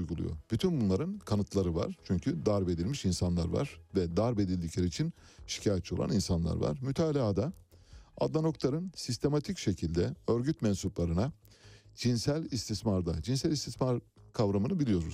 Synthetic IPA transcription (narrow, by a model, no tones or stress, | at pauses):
jɡulˠṵjo̰b̥yt̪ʰynbunlˠaɾɯnkʰanɯt̪ʰlˠaɾɯva̰ɾ̥t͡ʃʰyɲcʰyd̪aɾbe̞d̪ilʲmiʃinsanlˠa̰ɾva̰ɾ̥vɛd̪aɾbe̞d̪ilʲd̪iclʲeɾiːt͡ʃʰin | ʃi̥cʰaːjat͡ʃːiolˠa̰ninsanlˠa̰ɾva̰ɾ̥myt̪ʰaːlʲaːd̪a | a̰d̪lˠano̞klˠaɾɯnsist̪ʰe̞mat̪ʰicʃe̞cʰilʲd̪ɛø̞ɾɟyt̪mɛnsuplˠaɾɯna | d͡ʒinsælʲist̪ismaɾd̪ad͡ʒinsɛlʲist̪ismaɾkʰavɾamɯnɯbilʲijo̞ɾuz